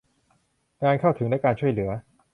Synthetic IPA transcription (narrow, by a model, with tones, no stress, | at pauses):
kaː˧nkʰa˥˩wt̪ʰɯ˩˦ŋdaː˧˥jkaː˧nt͡ɕʰu˥˩əjlɯ˩˦ɐ